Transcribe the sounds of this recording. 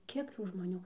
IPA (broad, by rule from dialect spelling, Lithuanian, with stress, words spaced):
ˈkʲiɛk ˈtuː ʒmoːˈnʲuː